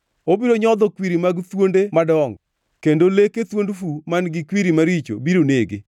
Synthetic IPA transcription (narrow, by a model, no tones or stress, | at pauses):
obiɾoɲɔd̪ɔkwiɾimaɡt̪wondemadɔŋ | kendoleket̪wondfumanɡɪkwiɾimaɾit͡ʃo̰biɾoneɡɪ̰